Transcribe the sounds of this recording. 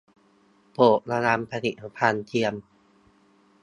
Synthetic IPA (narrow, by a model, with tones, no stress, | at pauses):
poː˨˩ʔ̚na˧na˧mpʰa˧nḭ˨˩a˨˦pʰaː˧nt̪ʰi˧əm